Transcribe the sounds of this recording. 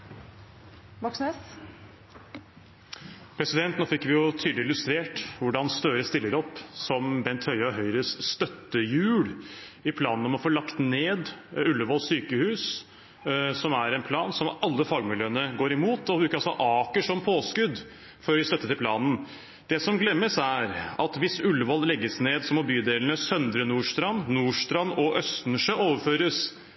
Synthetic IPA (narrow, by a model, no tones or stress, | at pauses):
ʋɔksnes | pʰɾɛsɪd̪ɛnt̪noːfɪkːʋɪjʊt̪ʰyːd̪lɪlʉst̪ɾeːʈʋʊɖɑnst̪øːɾəst̪ɪlːəɾɔpːsɔmbɛnt̪hœʏɑɦœʏɾəsst̪œt̪ːəjʉːɽɪpʰlɑːnn̩ɔmɔfoːlɑkt̪neːd̪ʉlːəʋoːlsyːkəhʉːs | sɔmæɾɛnpʰlɑːnsɔmɑlːəfɑːɡmɪljøːənəɡoːɾɪmuːt̪ɔbɾʉːkəɾɑlsɔʔɑːkəʂɔmpʰoːskʉd̪ | fɔɾʋɪst̪œt̪ːət̪ɪlpʰlɑːnn̩ | d̪̥ɛsɔmɡlɛmːəsæɾɑt̪ʋɪsʉlːəʋɔllɛɡːəsneːd̪sɔmɔbyːd̪eːlnəsœnd̪ɾənuːʂt̪ɾɑnːuːʂt̪ɾɑnɔʔœst̪n̩ʂøːʔoːʋəɾføːɾəs